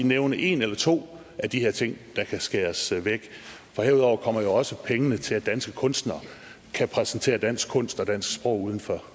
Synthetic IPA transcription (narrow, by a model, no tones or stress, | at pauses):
ineʊnəʔe̝nelɐt͡sʰo̝̰ː | ʔæd̥iheɐ̰t͡sʰe̝ŋ̰d̥ɑ̈kʰæsɡ̥eːɐsʋeɡ̥ | fɒ̽heɐuðˠɒʊ̰ɐkʰɒ̽m̰ɐjo̝ɒ̽səpʰeŋənət͡sʰe̝læd̥ænsɡ̥ə̥kʰɔ̽nsd̥nɐ | kʰæpʰʁɛsnt͡sʰe̝̰ːɐd̥æn̰sɡ̥ʰɔ̽n̰sd̥ɒ̽d̥æn̰sɡ̥sb̥ʁɔ̽ʊ̰uːð̞ˠn̩fɒ